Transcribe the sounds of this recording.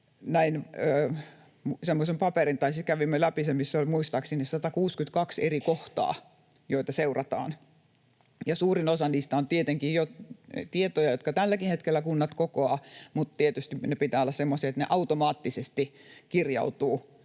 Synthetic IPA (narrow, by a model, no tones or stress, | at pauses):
næinøː | msemːosempɑperint̪ɑisit̪kæʋimːelæpisemmisːolʲmuist̪ɑksinːessɑt̪ɑkuːskyt̪kɑkserikoht̪ɑ̰ː | joit̪ɑseurɑt̪ɑ̰ːn | jɑsuːrinosɑnːist̪ɑont̪iet̪eŋkijjot̪iet̪ojɑjot̪kɑt̪ælːækihet̪kelːækunːɑt̪kokoɑːmut̪t̪iet̪yst̪inepit̪æːolːɑssemːosiːet̪nḛʔɑut̪omɑːt̪ːisest̪ikirjɑ̰ut̪uː